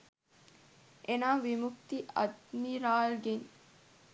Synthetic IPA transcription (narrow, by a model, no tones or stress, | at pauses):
ʔenaːʋimukt̪iʔɐ̰d̪miɾaːlɡen